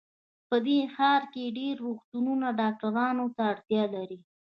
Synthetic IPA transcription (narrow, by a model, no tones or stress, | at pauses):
pəd̪exɑɾkeɖeɾːoxt̪ununaɖɑk̚ʈaɾɑnot̪aːɽt̪jɑlaɾi